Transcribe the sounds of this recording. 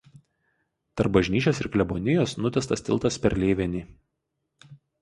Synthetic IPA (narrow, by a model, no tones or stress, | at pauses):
t̪ɐɾp̚bɐʒʲnʲiːt͡ʃʲoːsɪɾklʲɛbonʲɪjoːsnʊt̪ʲɛst̪ɐsʲt̪ʲɪ̰lˠt̪ɐspʲɛɾlʲeːʋʲɛnʲiː